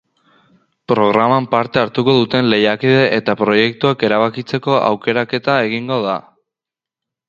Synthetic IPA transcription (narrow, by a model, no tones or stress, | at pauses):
pɾo̞ɣ̞ɾamampaɾt̪e̞aɾt̪uko̞ðut̪e̞nle̞jakiðe̞ʔet̪apɾo̞je̞k̚t̪uake̞ɾaβakit͡se̞ko̞ʔa̰wke̞ɾake̞t̪ae̞ɣ̞iŋɡo̞ða